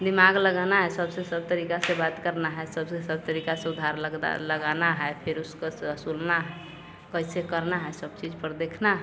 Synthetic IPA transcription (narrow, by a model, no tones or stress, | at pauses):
d̪imaɡləɡanaɦɛsəbsesəb̚t̪əɾikasẽbat̪kəɾnaɦəesəbsẽsəbt̪əɾikasẽud̪ʱaɾləɡa̰ləɡanaɦəepʰeɾuskəsəsulnaɦə | kəjsekəɾnaɦəesəbt͡ʃid͡ʒpəɾd̪ekʰnaɦ